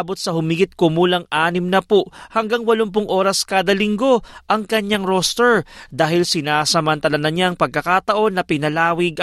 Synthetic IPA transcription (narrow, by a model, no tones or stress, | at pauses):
bot̪̚sɐhʊmiɡɪt̪̚komuːlɐŋʔaːnɪmnɐpoʔhɐŋɡaŋwɐlomp̬ʊŋʔo̞ːɾɐskaːd̪ɐlɪŋɡo̞ʔɐŋkɐɲaŋɾost̪ɛɹd̪aːhɪlsɪnasɐmɐnt̪ɐlɐnɐɲaʔɐŋpɐɡ̚kɐkaːt̪ɐʔo̞nːɐpɪnɐlaːwɪɡ